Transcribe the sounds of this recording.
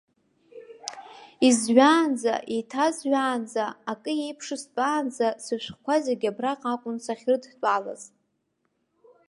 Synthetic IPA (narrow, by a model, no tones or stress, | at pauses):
izɥaːnd͡za̰ʔijtʰazɥaːnd͡zaːkʼɨje̞jpʰʂɨst͡pʼaːnd͡zasɨʃʷχkʷʰazeɡʲabraqʼakʷʼʊnsaχʲrɨdtʼala̰z